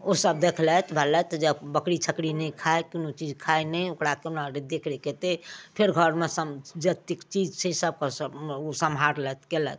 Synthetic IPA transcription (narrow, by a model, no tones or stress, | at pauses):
osəb̚d̪ekʰlɛt̪bʱəlɛt̪d͡ʒebəkɽit͡ʃʰəkɽinɛkʰaekinot͡ʃid͡ʒkʰaenɛokɽakenaɾed̪ekʰɾeket̪epʰeɾɡʱəɾmesəd͡ʒet̪ikt͡ʃid͡ʒt͡ʃʰəsəb̚kesəosəmʱaɾlɛt̪kelɛ̰t̪